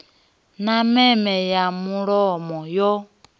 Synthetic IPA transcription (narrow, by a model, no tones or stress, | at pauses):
namɛmɛjamuɺɔmɔjɔ